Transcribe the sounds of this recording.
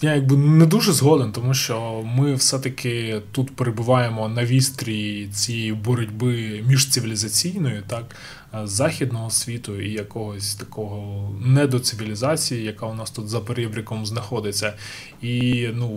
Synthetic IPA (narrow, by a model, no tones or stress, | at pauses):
jajɐɡ̚bɪned̪uʒɛzɦɔd̪ent̪ɔmuʃt͡ʃɔmɪwsɛt̪ɐkʰɪt̪ut̪peɾebʊʋɑjemɔnɐʋʲist̪ɾʲijit͡sʲijɛjibɔɾʊdʲbɪmʲiʒt̪sɪʋʲilʲizɐt͡sʲijnɔjʊt̪ɑk | zɑxʲid̪nɔɦɔsʲʋʲit̪ʊijɐkɔɦɔsʲt̪ɐkɔɦɔnɛd̪ɔt̪sɪʋʲilʲizɑt͡sʲijijɐkɑʊnɑst̪ut̪zɐpeɾʲɛbɾʲɐkɔmznɐxɔd̪ɪt͡sʲːɐ | inu